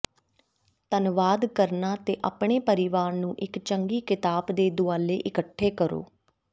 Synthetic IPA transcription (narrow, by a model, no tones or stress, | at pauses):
t̪ənʋaːd̪kəɾnaːt̪eːʔaːpɳ̃eːpəɾɪʋaːɾnũːʔɪkt͡ʃəŋɡiːkɪt̪aːbd̪eːd̪ʊaːleːʔɪkəʈʰːeːkəɾo̰ː